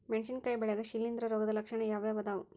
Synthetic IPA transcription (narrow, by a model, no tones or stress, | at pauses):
meɳʃinkɐjbɐɭɐɡɐʃilːind̪ɾɐɾoːɡɐd̪ɐlɐkʂɐɳɐjaːʋeːʋɐd̪aːʋu